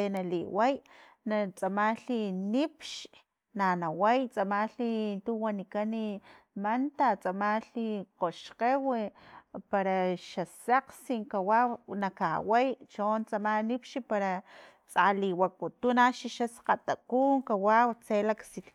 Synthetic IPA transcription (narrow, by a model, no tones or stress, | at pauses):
enalḭwaj | nat͡sʼamaːlinipʃ | nanawajt͡sʼamalint̪uwanikanimant̪at͡sʼamaːliqoʃqewepaɾaʃasaqsiŋkawanakawejt͡ʃoːnt͡sʼamanipʃipaɾa | t͡sʼaliwak̚ut̪unaʃiʃasqat̪akuːŋkawawt͡selaksi